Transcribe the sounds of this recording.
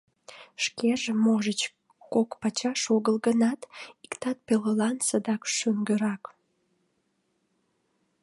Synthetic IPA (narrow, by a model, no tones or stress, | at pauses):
ʃkeʒemoʒət͡ɕ | kokpɑt͡ɕɑʃoɣəlɣənɑt̪ikt̪ɑt̪̚peləlɑnsəd̪ɑkʃyŋɡəɾɑk